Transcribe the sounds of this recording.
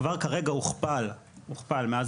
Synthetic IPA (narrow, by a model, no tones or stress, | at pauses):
vaʁkaʁeɡauχpal | huχpalmeaz